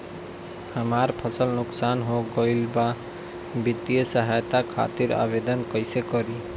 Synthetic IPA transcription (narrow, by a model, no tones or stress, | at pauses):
həmaɾpʰəsəlnuksanɦoɡəɪlba | bit̪ijəsəɦajt̪akʰa̰t̪iɾa̰bed̪ənkəɪsekʌɾi